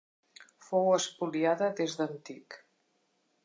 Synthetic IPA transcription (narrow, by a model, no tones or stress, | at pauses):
fowəspuliaðəðezðənt̪ik